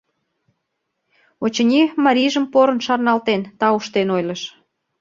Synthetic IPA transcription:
ot͡ɕə̆nʲimɑɾʲiʒəmpoɾə̆nʃɑrnɑlt̪ent̪ɑuʃt̪enojləʃ

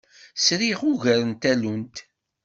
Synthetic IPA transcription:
sɾiʁuʝæɾənt̪ælunt̪

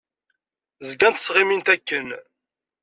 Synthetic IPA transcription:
zɡænt̪ə̥sʁimint̪ækːən

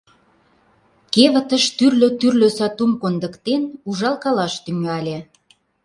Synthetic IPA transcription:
keβə̆t̪əʃt̪yrløt̪yrløsɑt̪umkond̪ə̆kt̪enuʒɑlˠkɑlɑʃt̪yŋɑlʲe

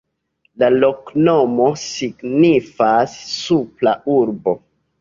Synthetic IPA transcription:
lalo̞knomo̞siɡnifasːuplauɾbo̞

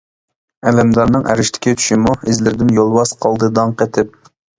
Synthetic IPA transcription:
ɛlɛmd̪ɑɾnɨŋæ̰ɾɪʃt̪ʰɪ̥kʲit͡ʃ̪ʰy̥ʃɪmuɪzlɪɾd̪ɪnjolˠwɑsqʰɑlˠd̪ɨd̪ɑŋqɛt̪ʰɪp̚

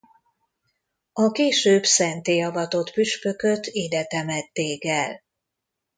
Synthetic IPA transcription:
ɒkeːʃøːbsɛnt̪eːɒvɒt̪o̞t̪pyʃpø̞kø̞t̪iːd̪ɛt̪ɛmɛt̪ːeːkɛl

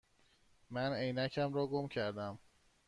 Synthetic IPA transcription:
mænejnæcʰæmɾɒːɡomcʰæɾd̪æm

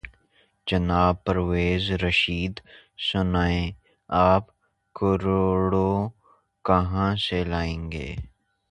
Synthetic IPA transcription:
d͡ʒɐnaːb̚pəɾweːzɾəʃiːd̪sʊnaːẽ | aːp | kʊɾoːɽo | kɐɦãselaːẽːŋɡḛː

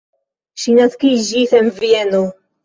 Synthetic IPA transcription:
ʃinaskid͡ʒisenvieno

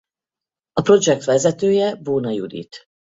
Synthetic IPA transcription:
ɒpro̞d͡ʒɛk̚t̪ʋɛzɛt̪øːjɛboːnɒjṵd̪ḭt̪

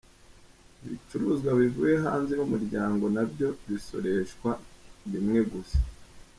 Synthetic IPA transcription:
βḭt͡ʃuɾuzɡwaβivuːje̞ɦaːnzenumuɾɟaːŋɡo̞nabɟo̞βiso̞̰ɾe̞ʃkwaβimŋe̞ɡusḁ

